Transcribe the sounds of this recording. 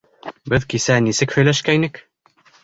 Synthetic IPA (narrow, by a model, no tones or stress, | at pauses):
bɘðkisænisɘkhɵ̆jlæʃkæinɘk